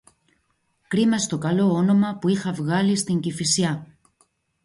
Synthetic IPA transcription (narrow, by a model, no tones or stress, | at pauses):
kɾimɐst̪o̞kɐlo̞o̞no̞mɐpuixɐvɣɐlist̪iɲɟifisiɐ